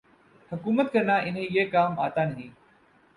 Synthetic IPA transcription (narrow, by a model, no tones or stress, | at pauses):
həkuːmət̪̚kəɾnaːʔɪnɦẽːjeːkaːmaːt̪aːnəɦĩː